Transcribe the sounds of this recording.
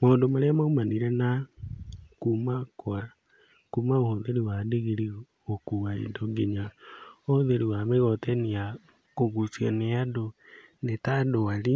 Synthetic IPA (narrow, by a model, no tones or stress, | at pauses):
mandomaleamaumaniɾena | kumakoa | kumaohoðeɾiwadeɣeɾi | okuwaḭdoɡeɲaohoðeɾiwameɣɔtenia | koɣusianeadonetadoali